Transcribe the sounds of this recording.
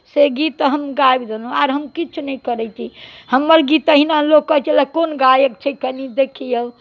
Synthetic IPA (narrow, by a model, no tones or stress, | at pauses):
seɡit̪ɦəmɡajbd̪enuaɾɦəmkit͡ʃʰunɛjkəɾɛt͡ʃʰihəmːəɾɡit̪əɦinalokkːət͡ʃelakonɡajəkt͡ʃʰəkənid̪ekʰijə